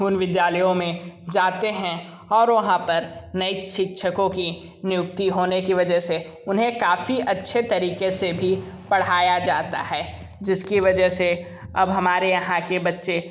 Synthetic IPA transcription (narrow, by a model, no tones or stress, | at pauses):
uːnʋɪd̪jaːləjõmẽd͡ʒaːt̪eɦɛ̃ | ɔːɾʋɐɦãpɐɾnɐiʃɪkʃʰəkõki | nɪjʊk̚t̪iɦoːnekiʋɐd͡ʒəɦse | ʊnɦẽkaːfiʔɐtːʃʰet̪ɐɾiːkesebʱi | pɐɽ̤aːjad͡ʒaːt̪a̰ɦɛː | d͡ʒɪskiʋɐd͡ʒəɦse | ɐbɦɐmaːɾejɐɦãkebɐtːʃe